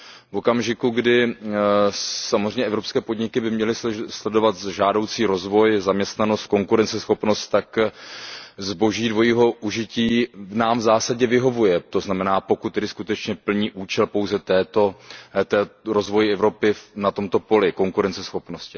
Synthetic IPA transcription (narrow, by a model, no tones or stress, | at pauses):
vo̞kamʒɪkuɡdɪ | samozrɛjɲɛɛvɾo̞pskɛːpo̞dɲɪkɪbɪmɲɛlɪslɛdo̞vat̪ʒaːdo̞wt͡siːɾo̞zvo̞jzamɲɛst̪nano̞st̪̚ko̞ŋkuɾɛnt͡sɛsxo̞pno̞st̪t̪ːak | zbo̞ʒiːdvo̞jiːɦo̞ʔuʒɪciːnaːmvzaːsaɟɛvɪɦo̞vujɛt̪o̞znamɛnaːpo̞kut̪ːɛdɪskut̪ɛt͡ʃɲɛpl̩ɲiːʔuːt͡ʃɛlpo̞wzɛt̪ɛːt̪o̞t̪ɛːɾo̞zvo̞jɪɛvɾo̞pɪfnat̪o̞mt̪o̞po̞lɪko̞ŋkuɾɛnt͡sɛsxo̞pno̞scɪ